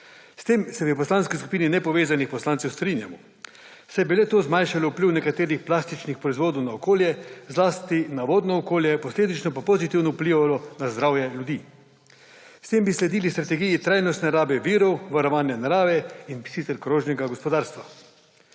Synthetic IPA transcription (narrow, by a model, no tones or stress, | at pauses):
st̪eːmsɛʋipɔslanskisku̥piːninɛpɔʋeːzanixpɔslant̪sɛwst̪ɾiːnjamɔ | sɛjbilɛt̪oːzmajnʃalɔupliːwnɛkat̪eːɾixplast̪it͡ʃnixpɾɔizʋoːd̪ɔwnaɔkoːljɛzlaːst̪inaʋoːd̪nɔːkoːljɛpɔsleːd̪it͡ʃnɔpapozit̪iwnɔupliːʋalɔnazd̪ɾawjɛljud̪iː | st̪eːmbislɛd̪iːlist̪ɾat̪ɛɡijit̪ɾajnɔst̪nɛaɾaːbɛʋiːɾɔwʋaɾɔʋaːnjanaɾaːʋɛinsit̪ɛɾkɾoːʒnɛɡaɡɔspɔd̪aːɾst̪ʋa